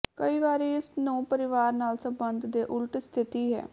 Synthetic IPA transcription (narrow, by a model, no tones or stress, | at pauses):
kəiːʋaːɾiːɪsnõːpəɾɪʋaːɾnaːlsə̃mbənd̪d̪eːʔʊlʈst̪ʰɪt̪iːɦɛ̰ː